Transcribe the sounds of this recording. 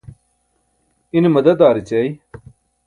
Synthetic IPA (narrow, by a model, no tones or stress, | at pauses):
inimɐd̪ɐd̪aːɾit͡ɕej